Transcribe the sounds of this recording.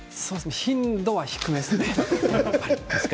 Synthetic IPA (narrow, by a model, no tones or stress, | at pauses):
soːdeseçĩnd̪o̞βaçi̥kɯ̟mesɨne | s